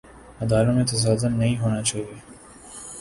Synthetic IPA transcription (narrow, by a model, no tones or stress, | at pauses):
ɐd̪aːlõmẽt̪ɐs̬aːzəmnɐɦĩɦoːnat͡ʃaːɦieː